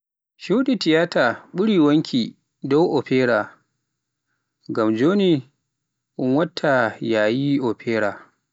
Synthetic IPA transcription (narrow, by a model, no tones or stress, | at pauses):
ʃuɗitɪjaːtʰaːɓʊɽiːwɐŋkʲʰiː | dɔwʔɔɸeːɾaː | ɡɐmd͡ʒoːni | ʔʊŋwɐtʰːajaːjiʔɔɸʰɛːɾaː